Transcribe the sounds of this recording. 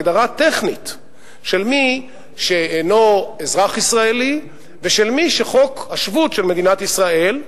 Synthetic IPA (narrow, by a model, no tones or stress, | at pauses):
d̪aʁat̪eχnit̪ | ʃe̞lmi | ʃeeno̞ezʁaχisʁaeli | veʃe̞lmiʃeχo̞khaʃvutʃe̞lme̞d̪inat̪isʁae̞l